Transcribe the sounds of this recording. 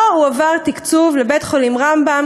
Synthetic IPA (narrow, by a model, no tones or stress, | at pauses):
uavaʁt̪ikt͡suvlebet̪χolimʁambam